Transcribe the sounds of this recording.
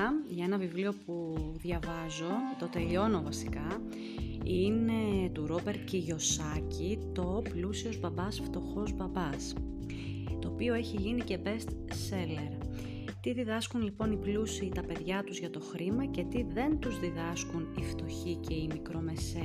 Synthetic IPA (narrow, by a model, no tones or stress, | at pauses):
ʝɐe̞nɐvivlio̞puðʝɐvɐzo̞t̪o̞t̪e̞lio̞no̞vɐsi̥kɐ | ine̞t̪uɾo̞be̞ɾt̪ceʝo̞sɐcit̪o̞plusio̞zbɐbɐsft̪o̞xo̞zbɐbɐs | t̪oːpio̞e̞çiʝinice̞be̞st̪se̞le̞ɾ | t̪iðiðɐskunlipo̞niplusiːt̪ɐpe̞ðʝɐt̪uzʝɐt̪o̞xɾimɐce̞t̪iðe̞nt̪uzðiðɐskunift̪o̞çice̞imikɾo̞me̞se